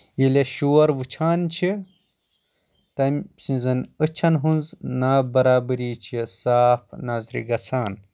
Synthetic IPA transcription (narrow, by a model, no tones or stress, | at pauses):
jileʃuːɐɾʋɨt͡ʃʰaːnt͡ʃʰi | t̪ɐmsĩnzɐnət͡ʃʰɐnɦunznabɐɾaːbɨɾiːt͡ʃʰisaːpʰnazɾḭɡɐt͡sʰaːn